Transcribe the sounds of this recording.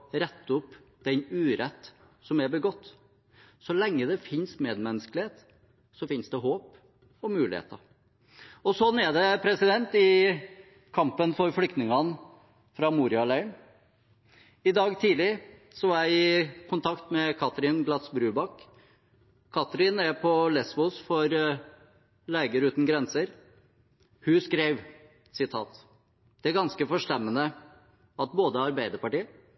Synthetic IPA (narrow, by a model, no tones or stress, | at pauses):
ɾɛt̪ːʊp | d̪̥ɛnʉːɾɛt̪ː | sɔmɛɾbəɡɔt̪ː | sɔlɛŋːəd̪ɛfɪnsmeːd̪mɛnːəsklɪheːt̪ | sɔfɪnsd̪ɛɦoːp | ɔmʉːlɪ̰hḛːt̪ɑ̰ɾ | ɔsɔnːɛd̪ɛpʰɾɛsɪd̪ɛnt̪ɪ | kʰɑmpənfɔɾflʏkt̪nɪŋɑn | fɾɑmuːɾɪɑlæɪɳ | ɪd̪ɑːɡt̪ʰiːlɪsɔæɪkʰʊnt̪ʰɑkt̪mɛkʰɑt̪ɾɪnɡlɑsbɾʉːbɑkː | kʰɑt̪ɾɪnɛpʰɔlɛsbʊsfɔɾ | leːɡəɾʉːt̪n̩ɡɾɛnsəɾ | hʉskɾeːʋ | sɪt̪ʰɑ̰ːt̪ | d̪̥ɛæɾɡɑnskəfɔʂt̪ɛmːənə | ɑt̪boːd̪əɑɾbæɪd̪əɾpɑʈiːə